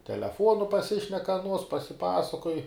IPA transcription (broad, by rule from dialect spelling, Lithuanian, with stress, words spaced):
tʲɛlʲɛˈfuɔnʊ pɐˈsʲɪʃʲnʲɛk ɐˈnuɔs pɐsʲɪˈpɑːsɐkoːj